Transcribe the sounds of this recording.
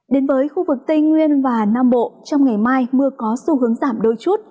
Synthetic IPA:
ɗe˨˦nvəː˨˦jxu˧vɨ˨˩k̚t̪i˧ŋŋwi˧ənvaː˨˩naː˧mɓo̰˧˨t͡ɕɔ˧wŋ͡mŋa˨˩jmaː˧jmɨ˧əkɔ˨˦su˧˩hɨ˨˦əŋzaː˧˩mɗo˧˩jt͡ɕu˦˥ət̚

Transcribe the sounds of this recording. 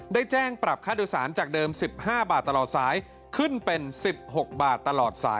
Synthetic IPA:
daː˥˩jt͡ɕɛː˥˩ŋpɾa˨˩p̚kʰaː˥˩diː˧wsa̰ː˩˦nt͡ɕaː˨˩k̚dɤː˧msi˨˩p̚haː˥˩baː˨˩t̪ːa˧lɔː˨˩t̪̚saː˩˦j | kʰɯ˥˩npe˧nsi˨˩p̚ho˨˩k̚baː˨˩t̪ːa˧lɔː˨˩t̪̚sa̰ː˩˦j

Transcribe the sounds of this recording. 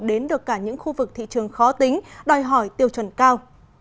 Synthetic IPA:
ɗe˨˦nɗɨ˨˩əkːaː˧˩ɲɨ̰˧˥ŋxu˧vɨ˨˩k̚t̪ʰḭ˧˨t͡ɕɨ˨˩əŋxɔ˨˦t̪ï˨˦ŋ̟ɗɔ˨˩jɦɔ˧˩jt̪i˨˩əwt͡ɕwə˧˩nkaː˧w

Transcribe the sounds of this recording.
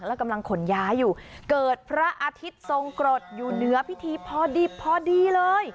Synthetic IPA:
ŋlɛ˦˥˩wka˧mla˧ŋkʰo˨˩˦njaː˦˥jːuː˨˩kɤː˨˩t̪̚pʰɾa˦˥ʔaː˧t̪ʰi˦˥t̪̚so˧ŋkɾo˨˩t̪̚juː˨˩nɯ˩˦˥ɐpʰi˦˥t̪ʰiː˧pʰɔː˧diː˧˩pʰːɔː˧diː˧lɤː˧j

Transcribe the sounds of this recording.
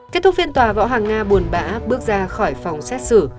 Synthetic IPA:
ke˦˥t̪̚ʰk̚fi˧ənt̪waː˨˩vɔ̰˧˥ɦaː˨˩ŋːaː˧ɓu˨˩ənɓa̰ː˧˥ɓɨ˦˥ək̚zaː˧xɔ˧˩jfa˨˩wŋ͡msɛ˦˥t̚sɨ˧˩

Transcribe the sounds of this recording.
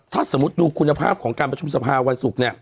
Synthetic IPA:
t̪ʰaː˥˩sa˩˦mːu˦˥t̪̚duː˧kʰu˧nːa˧pʰa̰ː˥˩p̚kʰɔː˩˦ŋkaː˧npɾa˧t͡ɕʰu˧msa˧pʰaː˧wa˧nsu˨˩k̚ni˦˥˩ɐ

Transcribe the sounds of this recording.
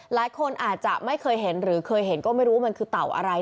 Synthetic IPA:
laː˩˦jkʰo˧nʔaː˨˩t̪̚t͡ɕa˨˩ʔma˥˩jkʰɤː˧jɦe˩˦nɾɯː˩˦kʰɤː˧jɦe˨˩˦nkɔː˥˩ma˥˩jɾuː˦˥wa˥˩ma˧nkʰɯː˧t̪a˨˩wʔa̰˧ɾa˧j

